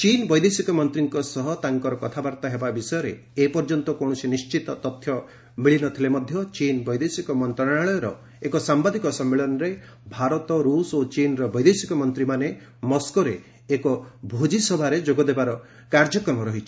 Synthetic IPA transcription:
t͡ʃinbɔjd̪esikɔmɔnt̪ɾiŋkɔsɔɦɔt̪aŋkɔɾɔkɔt̪ʰabaɾt̪aɦebabisɔjɔɾeː | pɔɾd͡ʒɔnt̪ɔkoɳ̃ɔsinist͡ʃit̪ɔt̪ɔt̪ʰːjɔ | miɭinɔt̪ʰilemɔd̪ʱjɔt͡ʃinbɔjd̪esikɔmɔnt̪ɾaaɭɔjɔɾɔ | ekɔsambad̪ikɔsɔmːeɭɔnɔɾe | bʱaɾɔt̪ɔɾusot͡ʃinɾɔbɔjd̪esikɔmɔnt̪ɾimane | mɔskoɾeː | kɔbʱod͡ʒisɔbʱaɾed͡ʒoɡɔd̪ebaɾɔ | kaɾd͡ʒɔkɾɔmɔɾɔɦit͡ʃʰi̥

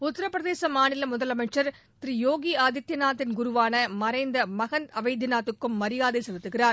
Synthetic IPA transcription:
ʊt̪ːɪɾɐpːɾɐðeːsɐmaːnɪlɐmʊðɐlɐmɐɪʈrɐɾ | t̪ɾijoːɡiaːd̪ɪt̪ːjɐnaːt̪ːɪnɡʊɾʊʋaːnɐmɐɾɐɪnd̪ɐmɐɣɐnɐʋɐɪd̪ɪnaːt̪ːɯkːɯmːɐɾɪjaːðɐɪsɐlɪt̪ːɯɣɪraːɾ

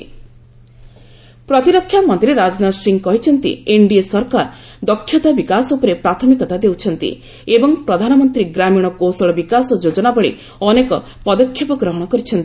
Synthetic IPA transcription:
pɾɔt̪iɾɔkʰːjamɔnt̪iɾeɾad͡ʒɔnasiŋɡkɔɦit͡ʃʰɔnt̪ḭeɳɖiesɔɾkaɾd̪ɔkʰːjɔt̪abikasɔupɔɾepɾat̪ʰɔmikɔt̪ad̪ewt͡ʃʰɔnt̪ḭ | ebɔŋpɾɔd̪ʱanɔmɔnt̪ɾiɡɾamiɽ̃ɔkosɔɭɔbikasɔd͡ʒod͡ʒɔnabɔɭḛ | ɔnekɔ | pɔd̪ɔkʰjɔpɔɡɾɔɦɔɽ̃ɔkɔɾit͡ʃʰɔnt̪i

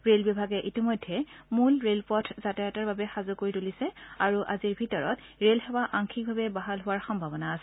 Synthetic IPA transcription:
ɹelbɔbʱaɡɛʔitimɔjdʱːɛmulɹelpɔtʰzatɛataɹbabɛxazʊkoɹitulisɛaɹuʔaziɹbʱitɔɹɔt | ɹelɦɛwaʔaŋkʰik̚bʱabɛbaɦalɦʊwaɹxɔmbʱabɔnaːsɛ

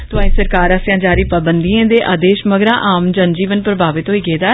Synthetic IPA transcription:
t̪ʊãːĩːsəɾkaːɾəsjãːd͡ʒaːɾiːpəbənd̪iãːd̪eːʔaːd̪eːʃməɡɾãːʔaːmd͡ʒənd͡ʒiːʋənpɾəbʱaːʋɪt̪ɦoːiːɡeːd̪aː

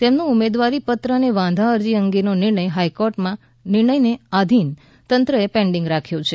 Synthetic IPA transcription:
t̪emnũumed̪ʋaɾipət̪ɾəəneʋãnd̪ʱãəɾd͡ʒiəŋɡenonɪɾɳəjɦajkoɾʈmã | nɪɾɳəjnead̪ʱin | t̪ənt̪ɾəepẽɳɖɪ̃ŋɡɾakʰjõt͡ʃʰe

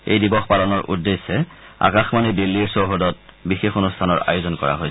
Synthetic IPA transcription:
ḛjdibɔxpalɔnɔɹʔudːesɛa̰kaxmanidilːiɹsoɦodɔt̚bixexonustʰanɔɹa̰jʊzɔnkɔ̰ɹa̰ɦoj

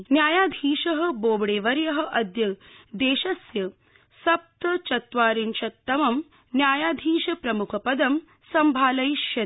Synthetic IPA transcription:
njaːjaːd̪ʱiːʃɐɦɐ̆boːbɽeːʋɐɾjɐɦɐ̆ʔɐd̪jɐd̪eːʃɐsjɐ | sɐp̚t̪ɐt͡ʃɐt̪ʋaːɾint͡ʃɐt̪ːɐmɐm | njaːjaːd̪ʱiːʃɐpɾɐmukʰɐpɐd̪ɐm | sɐmbʱaːlɐjʃjɐ

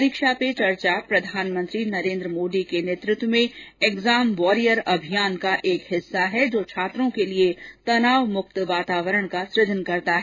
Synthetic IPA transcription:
ɾikʃapet͡ʃɐɾt͡ʃapɾɐd̪ʱaːnmə̃nt̪ɾinɐɾẽːnd̪ɾəmoːɖikeneːt̪ɾʊt̪wəmẽeɡzaːmʋɔːɾijəɾɐbʱijaːnkaʔeːkɦɪsːaɦɛd͡ʒoːt͡ʃʰaːt̪ɾõkeliet̪ɐnaːʋmʊkt̪ʋaːt̪aːʋəɾəɽ̃kasɾɪd̪ʱənkɐɾt̪aɦɛː

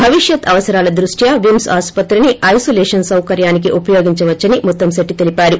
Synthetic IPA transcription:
bʱɐʋiʂjɐt̪ʰɐʋɐsɐɾaːlɐd̪ɾuʂʈʰjɐʋimsaːspɐt̪ɾiniʔɐjsoːlɛːʂɐnsɐwkɐɾjaːnik̬iʔupɐjoːɡiɲt͡ʃɐʋɐt͡ʃːɐnimɔt̪ːɐmsɐʈːit̪e̞lipaːɾu

